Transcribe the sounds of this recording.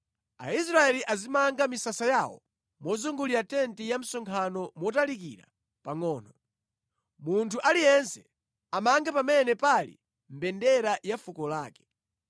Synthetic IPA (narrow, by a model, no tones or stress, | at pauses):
a̰is̬ɾaɛliʔazimaŋɡamisasajawɔ̰ | mɔzuŋɡuliɾatɛntijam̩sɔŋkʰanɔmɔtalikḭɾa̰ | paŋɔːnɔ | muntʰuʔalijɛnsɛ | amaŋɡapamɛnɛpalḭ | m̩bɛndɛɾajafukɔlaːkɛ̥